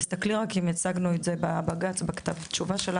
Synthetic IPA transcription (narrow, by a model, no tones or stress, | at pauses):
st̪akliʁakimat͡saɡnuetzebabaɡat͡sbakḁt̪avt̪t͡ʃuvaʃela